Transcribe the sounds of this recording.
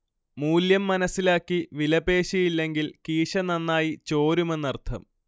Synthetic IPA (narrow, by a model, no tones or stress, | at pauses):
muːljɐmːɐnɐsːilaːkːiʋilɐbe̞ːɕijilːe̞ŋɡilkiːʂɐnɐnːaːjit͡ɕo̞ːɾume̞nːɐrt̪ʰɐ̰m